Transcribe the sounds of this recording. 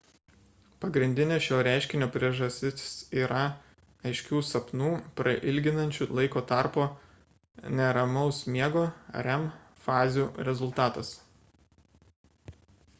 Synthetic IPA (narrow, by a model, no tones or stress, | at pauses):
pɐɡɾʲɪnʲd̪ʲɪnʲeːʃʲoːɾʲæˑɪʃʲkʲɪnʲoːpʲɾʲiɛʒɐsʲt̪ʲɪsʲsiːɾɐ | ɐɪʃʲkʲuːsɐpnuːpɾɐʔɪlʲɡʲɪnɐnʲt͡ʃʲulˠɐɪkoːt̪ɑˑɾpoː | nʲɛɾɐmɔʊsmʲiɛɡo̰ːɾʲɛm | fɑːzʲjuːɾʲɛzʊlˠt̪ɑːt̪ɐs